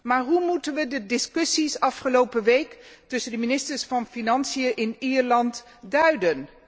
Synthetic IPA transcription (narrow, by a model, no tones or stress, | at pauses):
maːɹɦumutənʋədədɪskɵsisɑfχəlowpəʋejktɵsəndəminɪstəɹsfɑnfinɑnsijəʔɪniːɹlɑnt | dœɥdən